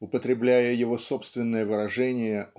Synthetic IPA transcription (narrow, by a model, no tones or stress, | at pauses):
ʊpət̪ɾʲɪblʲæjəjɪvo̞so̞pst̪vʲɪnːəjəvɨɾɐʐɛnʲɪjə